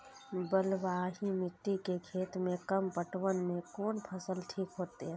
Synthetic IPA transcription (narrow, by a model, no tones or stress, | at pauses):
bəlʋaːɦimɪt̪ːikekʰeːt̪mẽkəmpəʈwənmẽkoːnpʰəsəlʈʰiːkɦoːt̪eɦɛ̃ː